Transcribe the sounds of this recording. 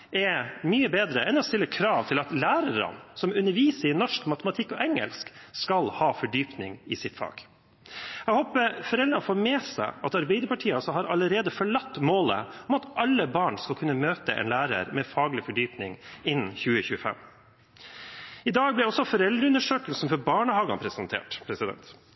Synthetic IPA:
ɛmyːəbeːd̪ɾəʔɛnɔst̪ɪlːəkʰɾɑːʋt̪ʰɪlɑt̪læːɾəɾə̰nsɔmʉnːəɾʋiːsəɾɪnɔʂkmɑt̪əmɑt̪ʰɪkːɔʔɛŋə̰lskskɑlhɑːfɔɖyːpnɪŋɪsɪt̪fɑ̰ːɡ̥ | æɡhoːpəɾfɔɾɛld̪ɾənfoːɾmeːsæ̰ɪɑt̪ɑɾbɛɪd̪əɾpɑʈʰiːəɔsɔhɑːɾɑləɾeːd̪əfɔɭɑt̪ːmoːlə̰ɔmɑt̪ʔɑlːəbɑːɳskɑlkʰʉnːəmøːt̪əʔɛ̰nlæːɾə̰ɾmɛfɑːɡlɪfɔɖyːpnɪ̰ŋɪnn̩çʉːəçʉːəfɛ̰m | ɪd̪ɑːɡblɪɔsɔfɔɾɛld̪ɾəʉnəʂøːklsn̩fɔɾbɑːɳəhɑːɡɑ̰npʰɾɛsɛnt̪ʰḛːʈpʰɾɛsɪd̪ɛ̰nt̪

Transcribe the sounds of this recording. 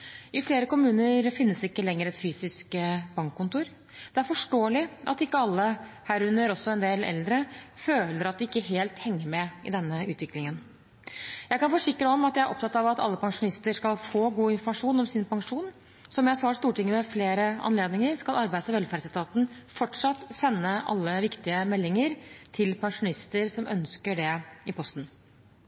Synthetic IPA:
ʔɪfleːɾəkʊmʉːnəɾfɪnːəsɪkːəlɛŋːəɾɛt̪fyːsɪskəbɑŋkːʊnt̪uːɾ | d̪̥ɛæɾfɔʂʈoːəlɪʔɑ̰t̪ɪkːəɑlːəhæːɾʉnːəɾɔsːɔɛnd̪eːlɛ̰ld̪ɾəføːləɾɑt̪̚d̪ɪɪkːəɦeːlt̪hɛŋːəɾmɛʔɪ̰d̪ɛnːəʉːt̪ʋɪklɪŋən | jæɪkɑnfɔʂɪkːɾəɔmɑt̪d̪jææɾʔɔ̰p̚t̪ɑt̪ːɑʋɑt̪ɑ̰lːəpʰɑŋʂʊnɪst̪əʂkɑlfoːɡuːɪnfɔɾmɑʂuːnɔmsɪːnpʰɑŋʂuːn | sɔmjæɪsɑːst̪uːʈɪŋːəmɛfleːɾəɑ̰nleːd̪nɪŋəɾskɑlɑɾbæɪsɑʋɛlfæːɖsɛt̪ʰɑːt̪n̩fɔʈʂɑt̪ːsɛnːəʔɑ̰lːəʋɪkt̪ɪəmɛlːɪŋəɾt̪ʰɪlpʰɑŋʂʊnɪst̪əɾsɔmʔœ̰nskəɖɛɪpʰɔst̪n̩

